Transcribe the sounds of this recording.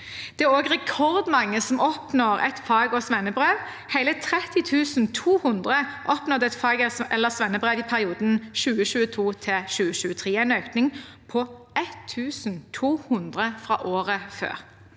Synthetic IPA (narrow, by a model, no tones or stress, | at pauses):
d̪̥ɛæʁoːɡʁɛkʰɔʁd̪mɑŋːəsɔmɔpnoːʁɛ̰t̪fɑːɡɔsʋɛnəbʁeːʋ | hæɪlət̪ʰʁɛt̪ɪt̪ʰʉːsn̩t̪ʰuːhʊnd̪ʁəʔɔpnɔd̪ɛt̪fɑːɡɛɛlːəsʋɛnːəbʁeːʋipʰæʁɪuːd̪n̩ʃʉːəʃʉːət̪ʰuːt̪ʰɪʃʉːəʃʉːət̪ʰʁeːɛɪnøːknɪŋ | pʰɔ | ɛt̪ʰːʉːsn̩t̪ʰuːhʊnd̪ʁəfʁɑ̰ːʔoːʁəfø̰ːʁ